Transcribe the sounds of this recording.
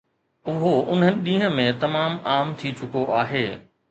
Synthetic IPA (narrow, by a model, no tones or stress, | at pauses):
ʊɦoʊn̤ɦənɪ̆ɗĩːɦə̃̆mẽt̪ɐmaːmaːmt̪ʰit͡ɕʊkoʔaːɦeː